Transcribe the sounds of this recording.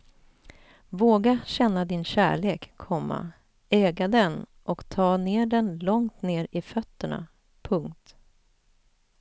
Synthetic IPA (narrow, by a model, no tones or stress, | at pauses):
voːɡaɕɛnːad̪ɪnɕæ̰ːɭeːkʰːɔmːa̰ | ɛːɡad̪ɛn | ʔɔkt̪ʰɑːneːɖɛnlɔŋt̪neːɾɪfœt̪ːəɳa̰ | pʰɵŋkt̪